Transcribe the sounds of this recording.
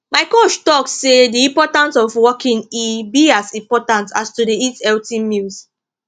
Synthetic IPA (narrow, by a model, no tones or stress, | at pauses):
maɪkoʃtɔk̚ssediĩmpɔtãnsɔfwɔkĩnibiasĩmpɔtãntastudeitɛltĩmils